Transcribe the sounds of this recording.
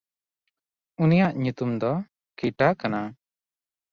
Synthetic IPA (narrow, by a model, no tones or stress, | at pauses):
unijaʔɲut̪umd̪ɔ | kiʈakana